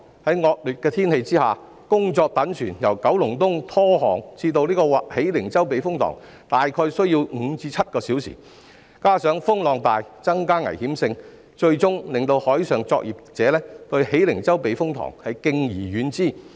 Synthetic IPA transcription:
hɐ˨˥jŋɔː˧k̚lyː˨˩t̚kɛː˧t̪ʰiː˥nhe˧jt͡siː˥haː˨ | kʊ˥ŋt͡sɔː˧k̚t̪ɐ˨˥nsʰyː˨˩njɐ˨˩wkɐ˨˥wlʊ˨˩ŋt̪ʊ˥ŋt̪ʰɔː˥hɔː˨˩ŋt͡siː˧t̪o˧wliː˥kɔː˧waː˨˩he˨˥jlɪ˨˩ŋt͡sɐ˥wpe˨˧jfʊ˥ŋt̪ʰɔ̰ː˨˩ŋ | t̪aː˨jkʰɔː˧jsɵ˥ɥji˧wŋ̩˨˧t͡siː˧˥t͡sʰɐ˥t̚kɔː˧siː˨˥wsḭ˨˩ | kaː˥sœː˨˥ŋfʊ˥ŋlɔː˨˧ŋt̪aː˨jt͡sɐ˥ŋkaː˥ŋɐ̰˨˩jhiː˨˥msɪ˧ŋ | t͡ʃɵ˧ɥt͡ʃʊ˥ŋlɪ˨˩ŋt̪o˧whɔː˨˥jsœː˨ŋt͡sɔː˧k̚jʔiː˨p̚t͡sɛː˨˦lɛː˥t̪ɵ˧ɥhe˨˥jlɪ˨˩ŋt͡sɐ˥wpe˨˧jfʊ˥ŋt̪ʰɔ̰ː˨˩ŋhɐ˨jkɪ˧ŋjiː˨˩jyː˨˥nt͡siː˥˩

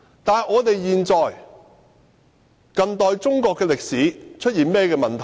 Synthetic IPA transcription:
t̪aː˨nŋɔː˨˧t̪e˨jjiː˨nt͡sɔː˨j | kɐ˧nt̪ɔː˨jt͡sʊ˥ŋkɔː˧kːɛː˧lɪ˨k̚siː˨˥t͡ʃʰɵ˥t̚jiː˨nmɛː˥kɛː˧mɐ˨nt̪ʰɐ˨˩

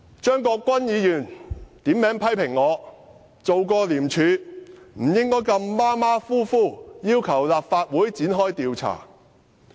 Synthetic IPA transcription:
t͡ʃœː˥ŋkɔː˧kʷːwɐ˥njiː˨˧jyː˨˩nt̪iː˨˥mːɛː˨˥ŋpʰɐ˥jpʰɪ˨˩ŋːɔː˨˧ | t͡so˨wkɔː˧liː˨˩mt͡ʃʰyː˨˧m̩˨˩jɪ˥ŋkɔː˥jkɐ˧mːaː˥maː˥fuː˥fuː˥˩jiː˥wkʰɐ˨˩wlaː˨p̚faː˧t̚wuː˨˥jt͡siː˨˥nɦɔː˥jt̪iː˧wt͡sʰa̰ː˨˩

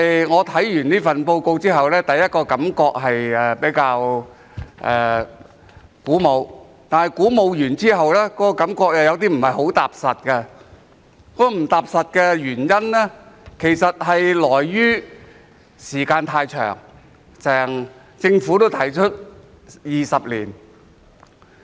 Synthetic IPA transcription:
ŋɔː˨˧t̪ʰɐ˨˥jjyː˨˩niː˥fɐ˨npo˧wko˧wt͡siː˥ɦɐ˨wlɛː˥t̪ɐ˨jːɐ˥t̚kɔː˧kɐ˨˥mkɔː˧k̚ɦɐ˨jɛ˨pe˨˥jkaː˧w | ʔɛː˨˩ | kuː˨˥mo˨˧w | t̪aː˨nhɐ˨jkuː˨˥mo˨˧wjyː˨˩nt͡siː˥ɦɐ˨wlɛː˥kɔː˨˦˥kɔː˧kɐ˨˥mkɔː˧k̚jaː˧jɐ˨˧wt̪̬iː˥m̩˨˩hɐ˨jho˨˥wt̪aː˨˩p̚sɐ˨t̚kɛ˧ | kɔː˧˥m̩˨˩t̪aː˨p̚sɐ˨t̚kɛː˧jyː˨˩njɐ˥nlɛ˥kʰe˨˩jsɐ˨t̚hɐ˨jlɔː˨˩jːyː˥ | siː˨˩kaː˧nt̪ʰaː˧jt͡ʃʰœ̰ː˨˩ŋ | sɛː˨˩ŋ | t͡sɪ˧ŋfuː˨˥t̪o˥wt̪ʰɐ˨˩jt͡ʃʰɵ˥t̚ | jiː˨sɐ˨p̚liː˨˩n

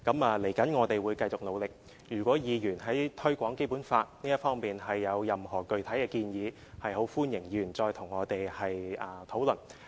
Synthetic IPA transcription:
kɐ˨˥maː˨˧le˨˩jkɐ˨˥nŋɔː˨˧t̪e˨jwuː˨˧jkɐ˧jt͡sʊ˨k̚lo˨˧wlɪ˨k̚ | jyː˨˩kʷɔː˨˥jiː˨˧jyː˨˩nɦɐ˨˥jt̪ʰɵ˥ɥkʷɔː˨˥ŋke˥jpuː˨˥nfaː˧t̚niː˥jɐ˥t̚fɔː˥ŋpiː˨˩nɦɐ˨jːɐ˨˧wjɐ˨mhɔː˨˩kɵ˨ɥt̪ʰɐ˨˥jkɛː˧kiː˧njiː˨˧ | hɐ˨jho˨˥wfuː˥njɪ˨˩ŋjyː˨˩nt͡sɔː˧jt̪ʰʊ˨˩ŋːɔː˨˧t̪e˨jhɐ˨jʔɐː˧t̪ʰo˨˥wlɵ˨˩n

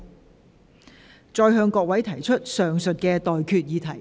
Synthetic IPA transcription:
t͡sɔː˧jɦœː˧ŋkɔː˧k̚wɐ˨˥jt̪ʰɐ˨˩jt͡ʃʰɵ˥t̚sœː˨ŋsɵ˨t̚kɛː˧t̪ɔː˨jkʰyː˧t̚jiː˨˧t̪ʰɐ˨˩j

